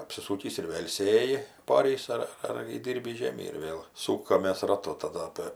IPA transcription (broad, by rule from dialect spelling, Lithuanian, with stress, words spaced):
ɐpʲsʲɪˈsuːkʲiːs ɪr ˈʋʲeːlˠ ˈsʲeːjɪ pɐˈoːrʲiːs ɐr ɐr iːˈdʲiːrʲbʲiːs ˈʒʲeːmʲiː ɪr ˈʋʲeːlˠ ˈsuːkɐmʲeːs rɐˈtʊ tɐˈdɐ ˈɑːpʲeː